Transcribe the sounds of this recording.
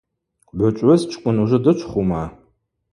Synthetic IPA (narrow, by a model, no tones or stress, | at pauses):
bʷɐt͡ʃʼɐzt͡ʃʰʼkʷʼʊnuʒɨdɨt͡ʃʷʰʼχʷumaː